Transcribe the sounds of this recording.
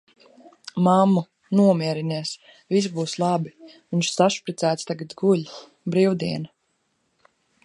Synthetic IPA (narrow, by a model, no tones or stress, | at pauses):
mamːu | nuɔmʲiɛɾiniɛs | vis̬buːslˠɑbi | viɲʃsaʃpɾit̪sæːt̪st̪aɡat̪ɡulʲ | bɾiwd̪iɛna